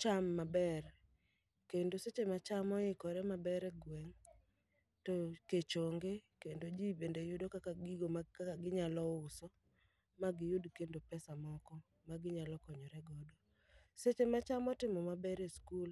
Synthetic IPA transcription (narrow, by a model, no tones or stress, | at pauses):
t͡ʃamːabɛr | kendoset͡ʃemat͡ʃamɔɪkɔɾɛmabɛɾɛɡwɛŋ | toket͡ʃoŋɡekendod͡ʒibendejʊdokakaɡiɡomaaaɡɪɲalɔʊsɔ | maɡɪjudkendopɛsamɔkɔ | maɡɪɲalɔkɔɲɔɾɛɡɔdɔ | set͡ʃemat͡ʃamɔtɪmɔmabɛɾeskul